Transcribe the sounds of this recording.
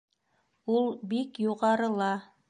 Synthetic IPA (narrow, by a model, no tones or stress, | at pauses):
ulˠbikjuʁɑɾɤ̆lˠɑ